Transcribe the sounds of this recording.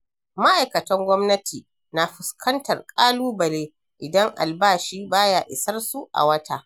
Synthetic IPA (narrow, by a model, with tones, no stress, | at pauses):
ma˦ʔa˨jkɐ˨tɐ˦ŋɡʷɔ˦mnɐ˦tʰiː˨ | na˨ɸʊ˨skʰɐ˦ntɐ˨rkʼaː˦luː˦bɐ˨leː˦ | ʔɪ˨dɐ˦ŋʔa̰˨lbaː˦˨ʃiː˦baː˦jaː˨ʔɪ˨sɐ˦rsu˦ʔa̰˨wɐ˦tʰa˦˨ʔ